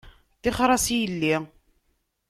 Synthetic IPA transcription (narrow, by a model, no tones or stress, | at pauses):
θɪχɾˤɑsjəlːi